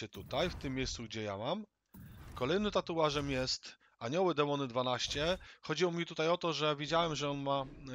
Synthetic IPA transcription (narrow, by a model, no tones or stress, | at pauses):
ɛt̪ut̪ajft̪ɘmːʲejssuɡ̚d͡ʑɛja̰mam | kɔlɛjnɘt̪at̪uwaʐɛmjɛst̪ | aɲɔwɘd̪ɛmɔnɘd̪vanaɕt͡ɕɛxɔd͡ʑiwɔmʲit̪ut̪ajɔt̪ɔʐɛvʲjed͡ʑawɛmʐɛɔnma